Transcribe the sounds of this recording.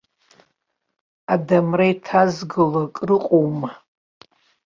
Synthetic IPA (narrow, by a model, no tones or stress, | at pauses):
adamrajtʰazɡɨlakʼrɨqʼowma